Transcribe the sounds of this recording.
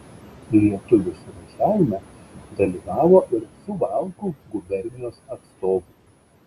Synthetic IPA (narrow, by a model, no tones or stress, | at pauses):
lʲiɛt̪ʊʋʲʊsʊɾɐʒʲæʋʲɪmʲɛd̪ɐlʲiːʋɑːʋoːʔɪɾsʊʋɑˑlˠkuɡʊbʲɛɾʲnʲɪnʲoːsɐt̪st̪oːʋʊː